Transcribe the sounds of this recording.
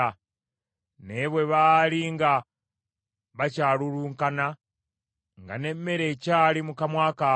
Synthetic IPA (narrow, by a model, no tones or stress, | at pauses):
a | neβwe̞βaːliŋɡa | βacaːluɾuːŋkana | ŋɡa̰ne̞mːe̞ɾecaːlimukamwaka